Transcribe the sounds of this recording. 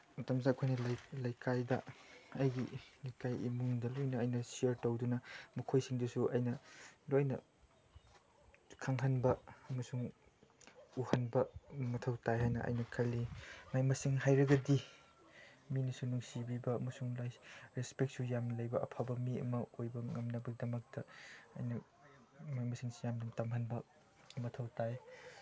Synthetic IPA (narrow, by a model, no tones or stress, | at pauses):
mɐtʰɐmzaɐkʰojnɐljlɐjkʰajdɐ̰ɐjɡilijkajḭmuŋdɐlojnɐːjnɐsiɐɾtowdunɐmɐkʰojsiŋdusuɐjnɐlojnɐ̰ | kʰaŋɦɐnbɐɐmɐsuŋ | uhɐnbɐmɐtʰɐwtajɦajnɐ̰ʔɐ̰jnɐkʰɐlːimajmɐsiŋɦajɾɐɡɐdi | minɐsunuŋsibibɐɐmɐsuŋlajɾespek̚sujamnɐlɐjbɐʔɐ̰pʰabɐmiɐ̰mɐojbɐŋɐmnɐbɐɡ̚dɐmɐk̚tɐɐ̰jnɐ | majmɐsiŋsujamdɐmtamɦɐnbɐ | mɐtʰɐwtaj